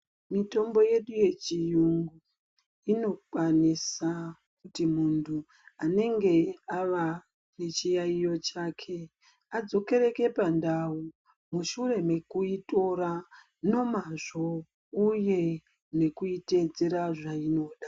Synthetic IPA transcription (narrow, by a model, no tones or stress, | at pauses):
mito̞mbo̞je̞ɗuje̞t͡ʃijuŋɡu | ino̞kwanisa | kutimuntʰu | ane̞ŋɡe̞aʋa | ne̞t͡ʃijaijo̞t͡ʃakʰe̞ | ad͡zo̞ke̞ɾe̞ke̞pandawu | muʃure̞me̞kuito̞ɾa | no̞maʐo̞ | uje̞ | ne̞kuite̞d͡zeɾaʐaino̞ɗa